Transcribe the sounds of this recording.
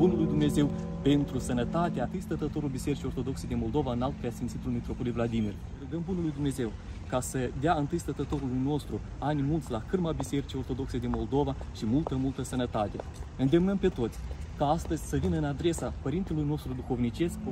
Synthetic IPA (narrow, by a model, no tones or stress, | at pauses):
bunulujd̪umne̞ze̞w | pe̞nt̪ɾusənət̪at̪eat̪ɨjst̪ət̪ət̪o̞ɾulbise̞ɾit͡ʃijort̪o̞d̪o̞ksejd̪ʲinmo̞ld̪ovaɨnalt̪̚pɾeasint̪sit̪ulmit̪ɾo̞polivlad̪imir | ɾuɡəmbunulujd̪umne̞ze̞wkasəd̪eaɨnt̪ɨjst̪ət̪ət̪o̞ɾulujno̞st̪ɾu | anʲmult̪sʲlakɨrmabise̞ɾit͡ʃio̞rt̪o̞d̪o̞kse̞d̪inmo̞ld̪o̞vaʃimult̪əmult̪əsənət̪at̪e̞ɨnd̪e̞mnəmpe̞t̪o̞t̪sʲkaast̪əzʲsəvinəɨnad̪ɾe̞sapəɾint̪elujno̞st̪ɾud̪uxo̞vnit͡ʃe̞sk